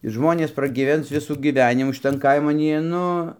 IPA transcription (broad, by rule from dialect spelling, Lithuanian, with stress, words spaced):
ɪ ˈʒmoːnʲeːs prɐɡʲiːˈʋʲɛns ˈʋʲɪsuː ɡʲiːˈʋʲæːnʲɪmuː ʃʲɪˈtɐn ˈkɐɪmɐn ˈjiɛ ˈnʊ